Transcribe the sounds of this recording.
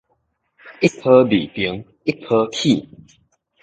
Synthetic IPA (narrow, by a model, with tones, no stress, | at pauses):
i˦pʰə˦bḭ˨˩pi˨˦ŋ | i˦˥pʰə˧˦kʰi˥˨